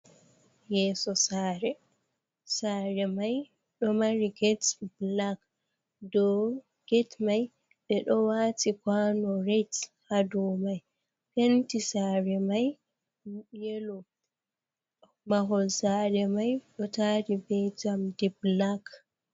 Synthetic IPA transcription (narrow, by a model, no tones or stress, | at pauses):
jɛsɔsaɾɛ | saɾɛmaj | ɗɔmaɾiɡɛtblak | dɔ | ɡ̥ɛtmaj | ɓɛɗɔwatikwanɔɾethadɔmaj | pentisaɾɛmaj | jelɔ | maɦɔzaɾɛmajɗɔtaːɾibɛd͡ʒamdiblak